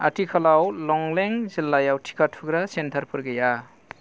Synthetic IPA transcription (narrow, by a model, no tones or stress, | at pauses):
a̰tʰikʰalawlɔŋleŋzilːajawtʰi̥kʰatʰuɡɾasentʰaɾpʰɯɾɡɯja